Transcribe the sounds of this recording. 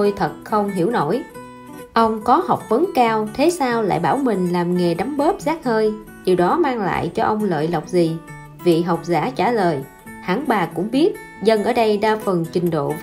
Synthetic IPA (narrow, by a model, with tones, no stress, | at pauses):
o˧jt̪ʰə˨˩t̚xə˧wŋ͡mɦi˧˩əwno˧˩j | ʔə˧wŋ͡mkɔ˨˦hɔ˨˩wk͡p̚və˨˦ŋkaː˧wt̪ʰe˨˦saː˧wla̰ː˧˨jɓaː˧˩wmï˨˩ŋ̟laː˨˩mŋe˨˩ɗa˨˦mɓəː˦˥p̚zaː˦˥k̚həː˧j | ɗi˨˩wɗɔ˨˦maː˧ŋla̰ː˧˨jt͡ɕɔ˧ʔə˧wŋ͡mlə̰ː˧˨jlə˨˩wk͡p̚zi˨˩ | vḭ˧˨ɦa˨˩wk͡p̚za̰ː˧˥˩t͡ɕaː˧˩ləː˨˩j | ha̰ː˧˩ŋɓaː˨˩kʊ̰˧˥ŋ͡mɓi˦˥ət̚ | zə˧nʔəː˧˩ɗə˧jɗaː˧fə˨˩nt͡ɕï˨˩ŋ̟ɗo̰˧˨